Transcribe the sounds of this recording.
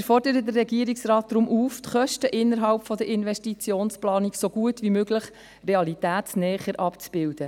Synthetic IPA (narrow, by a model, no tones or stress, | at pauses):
fɔrdəɾəd̪ərːɛɡiəɾiksrɑːt̚d̪̥ɾʊmʔuːft̪χœʃtəʔɪnːəɾɦɑlpfɔd̪əɾɪnʋɛʃtit͡sjoːnsplɑːniksoɡuətʋimøɡləχ | reɑlitæːtsnɛːχəɾʔɑpt͡sb̥ɪld̥̪ə